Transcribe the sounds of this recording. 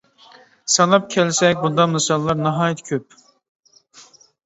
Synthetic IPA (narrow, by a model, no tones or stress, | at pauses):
sɑlˠɑp̚kʲʰɛlsɛkʲbund̪ɑmɨsɑlˠːɑɾnɑɦɑːjɑt̪ʰkʲʰøp